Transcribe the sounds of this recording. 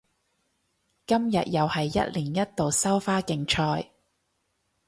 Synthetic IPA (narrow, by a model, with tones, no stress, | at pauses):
kɐ˥mjɐ̰˨t̚jɐ˨whɐ˨jːɐ̰˥t̚liː˨˩njɐ˥t̚t̪o˨wsɐ˥wfaː˥kɪ˨˧ŋt͡ʃʰɔː˧j